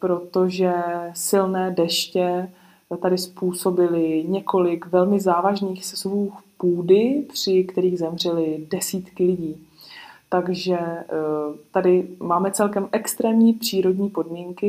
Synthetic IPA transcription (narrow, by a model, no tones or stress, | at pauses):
pɾo̞t̪o̞ʒɛsɪlnɛːdɛʃcɛ | t̪adɪspuːso̞bɪlɪɲɛko̞lɪkvɛlmɪzaːvaʒniːxsɛzvuːxpuːdɪpr̥ɪkt̪ɛɾiːɣzɛmr̝ɛlɪdɛsiːt̪kɪlɪɟiːt̪aɡʒɛ | t̪adɪmaːmɛt͡sɛlkɛmʔɛkst̪ɾɛːmɲiːpr̝̥iːɾo̞dɲiːpo̞dmiːŋkɪ